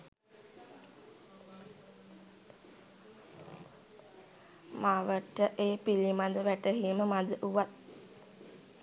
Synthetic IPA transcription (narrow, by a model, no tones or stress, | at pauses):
maʋəʈəʔeːpilimad̪əʋæʈəɦiməmad̪əʔuʋat̪̚